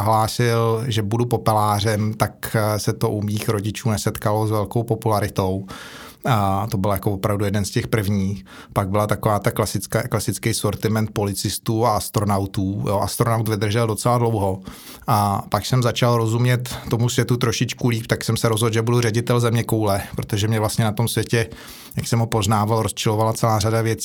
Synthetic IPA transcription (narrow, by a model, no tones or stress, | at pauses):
ɦlaːsɪlʒɛbudupo̞pɛlaːr̝ɛmt̪aksɛt̪o̞ʔumiːxɾo̞ɟɪt͡ʃuːnɛsɛt̪kalo̞zvɛlkowpo̞pulaɾɪt̪o̞w | t̪o̞bɪljakovopɾavdujɛdɛnscɛxpr̩vɲiːx | paɡ̚bɪlat̪akovaːt̪aklasɪt͡skaklasɪt͡skɛjsoɾt̪ɪmɛnt̪̚po̞lɪt͡sɪst̪uːaast̪ɾo̞nawt̪uːjoʔa̰st̪ɾonawt̪vɪd̪r̩ʒɛldo̞t͡sɛladlo̞wɦo̞ | ʔapaksɛmzat͡ʃalɾo̞zumɲɛt̪ːo̞musvjɛt̪ut̪ɾo̞ʃɪt͡ʃkuliːpt̪aksɛmsɛɾozɦolʒɛbudurɛɟɪt̪ɛlzɛmɲɛkowlɛpɾot̪oʒɛmɲɛvlast̪ɲɛnat̪o̞msvjɛcɛ | jaksɛmɦopo̞znaːvalɾo̞st͡ʃɪlovalat͡sɛlaːɾadavjɛt͡si